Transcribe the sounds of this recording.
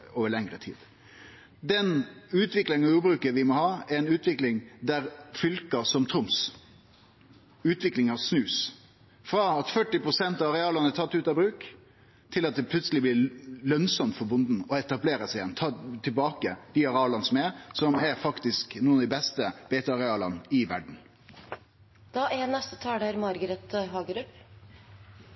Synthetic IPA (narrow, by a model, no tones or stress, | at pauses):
oːʋəɭɛŋɾət̪ʰḭːd̪̥ | d̪ɛnʉːt̪ʋɪklɪŋnɑjuːbɾʉːkəʋɪmɔhɑːɛɛɪnʉːt̪ʋɪklɪŋd̪æɾfʏlkɑsɔmt̪ʰɾʊms | ʉːt̪ʋɪklɪŋɑsnʉːs | fɾɑɑt̪fœʈːɪpɾʊsɛnt̪ɑʋɑɾɛɑːlɑnəɛt̪ʰɑt̪ːʉːt̪ɑbɾʉːk | t̪ʰɪlɑt̪̚d̪ɛpʰlʉt̪səlɪblɪːɾlœnsɔmt̪fɔɾbʊnd̪n̩ɔɛt̪ɑbleːɾəsɛɪjɛnːt̪ʰɑːt̪ʰɪlbɑːkəd̪̥ɪɑɾɑːlɑnəsɔmɛɾsɔmæɾfɑkt̪ɪsknuːənɑd̪ɪbɛst̪əb̥eːt̪ɑɑɾɛɑːlɑnɪʋæɖɳ̩ | d̪̥ɑːɛnɛst̪ə̥t̪ʰɑːɖɑɾmɑɾɡəɾɛt̪ɦɑːɡəɾʉp